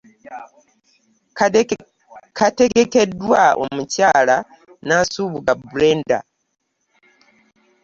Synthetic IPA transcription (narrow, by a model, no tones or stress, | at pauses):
kʰate̞ɡeke̞dːwao̰mucaːla | nasuːβuɡabuleːnda̰